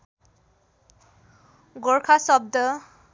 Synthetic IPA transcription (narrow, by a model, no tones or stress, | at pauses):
ɡɔɹkʰasɔb̚d̪ɔ